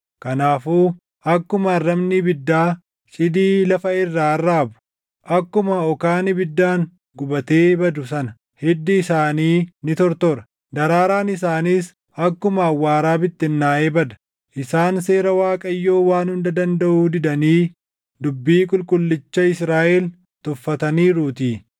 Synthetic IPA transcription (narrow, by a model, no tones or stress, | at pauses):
kɐnaːfuː | ɐkːʊmɐɐrːɐmnibɪd̪ːaː | t͡ʃʼɪd̪iːlɐfɐɪrːaːɐrːaːbʊ̥ | ʔɐkːʊmɐɔkaːnɪbɪd̪ːaːŋ | ɡʊbɐt̪eːbɐd̪ʊsɐnɐ | hɛd̪ːɪːsaːniːnɪt̪ɔɾt̪oɾɐ | d̪ɐɾaːɾaːnɪs̬aːniːs | ɐkːʊmɐːwːaːɾaːbɪt̪ːɪnːaːʔeːbɐd̪ɐ | ʔɪsaːnseːɾɐwaːkʼɐjːo̞ːwaːnhʊnd̪ɐd̪ɐnd̪ɐʔuːd̪ɪd̪ɐniː | d̪ʊbːiːkʼʊlkʼʊlːɪt͡ʃːɐɪsɾaːʔɛl | t̪ʊfːɐt̪ɐniːɾuːt̪iː